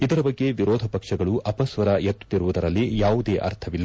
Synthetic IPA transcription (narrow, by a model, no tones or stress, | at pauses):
id̪ɐɾɐbɐɡːe̞ʋiɾɔːd̪ʱɐpɐkʂɐɡɐɭuʔɐpɐsʋɐɾɐjet̪ːu̥t̪ːiɾuʋud̪ɐɾɐlːijaːʋud̪e̞ːʔɐ̰ɾt̪ʰɐʋilːɐ